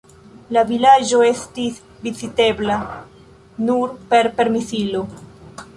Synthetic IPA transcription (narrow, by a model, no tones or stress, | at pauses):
lavilad͡ʒo̞e̞stis | vizite̞bla | nuɾpe̞ɾpe̞ɾmisilo̞